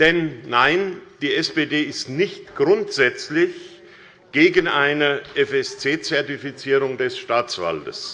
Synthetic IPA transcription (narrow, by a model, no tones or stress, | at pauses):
d̥ɛnːaɪnd̥iːɛspeːdeːɪstnɪçtɡ̥ʁʊntz̥ɛt͡slɪç | ɡ̥eːɡən̩ʔaɪnəʔɛfɛst͡seːt͡sɛɐtifit͡siːʁʊŋdɛsʃtaːt͡sv̥a̰ltə̰s